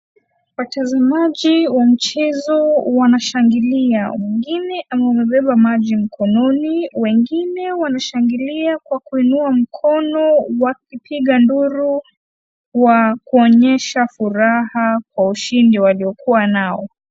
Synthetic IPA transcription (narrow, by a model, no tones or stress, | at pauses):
watazamaʄiwam̩t͡ʃɛzɔwanaʃaŋɡiliawɛŋɡinɛʔamamɛɓɛɓamaʄim̩kʰɔnɔniwɛŋɡinɛwanaʃaŋɡiliakwakuinuam̩kʰɔnɔwakipʰiɠanduɾu | wakuɔɲɛʃafuɾahakwauʃindiwaliɔkuwanaɔ